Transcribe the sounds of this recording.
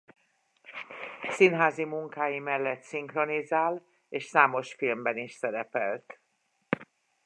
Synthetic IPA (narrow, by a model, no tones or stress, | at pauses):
sinɦaːzimuŋkaːjimɛlːɛt̪siŋkro̞nizaːl | eːʃsaːmo̞ʃfilmbɛniʃsɛɾɛpɛlt̪